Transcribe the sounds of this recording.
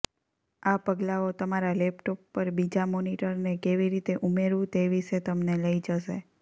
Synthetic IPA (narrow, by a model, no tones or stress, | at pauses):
apəɡlaot̪əmaɾalɛpʈopːəɾbid͡ʒamoniʈəɾnekeʋiɾit̪eʔumeɾʋũt̪eʋiʃet̪əmneləid͡ʒəʃḛ